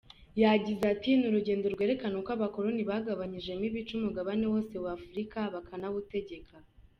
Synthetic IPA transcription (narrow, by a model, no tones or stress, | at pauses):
jaɟizatinuɾuɟe̞ːndo̞ɾɡwe̞ɾe̞kanokaβako̞ɾoniβaɡaβaɲiʒe̞miβit͡ʃumuɡaβane̞wo̞ːse̞wafuɾikaβakʰanaβute̞ɟe̞kʰa